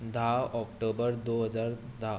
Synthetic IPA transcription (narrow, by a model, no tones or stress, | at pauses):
d̪aɔkʈobəɾd̪oɦəd͡zaɾd̪a